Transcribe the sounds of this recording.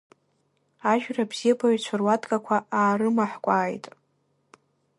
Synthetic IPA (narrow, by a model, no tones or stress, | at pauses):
aʒᶣrabz̥ijapʰaɥt͡ɕʷʰarwadʼkʼakʷʰaaːɾɨmaħkʷʼaːjtʼ